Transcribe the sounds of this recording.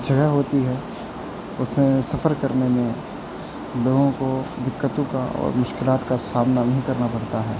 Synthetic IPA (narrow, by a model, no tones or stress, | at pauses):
d͡ʒʱɐɡəɦɦoːt̪iɦɛː | ʊsmẽsɐfəɾkɐɾnemẽ | loːɡõkod̪ɪkːət̪õkaɔ̰ːɾmʊʃkɪlaːt̪kasaːmnanɐɦĩkɐɾnapɐɽt̪aɦɛː